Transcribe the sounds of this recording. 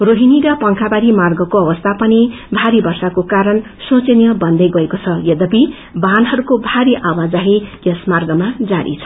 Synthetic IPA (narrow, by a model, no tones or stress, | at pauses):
roɦiniɾʌpʌŋkʰabaɾimarɡʌkoʌbʌst̪ʰapʌni | bʱaɾibʌrsakokaɾʌn | sõt͡senjʌbʌnd̪ʌjɡʌekot͡sʰʌjʌd̪ʌbi | banɦʌɾukobʱaɾiʔawad͡zaɦijʌsmarɡʌmad͡zaɽḭt͡sʰʌ̥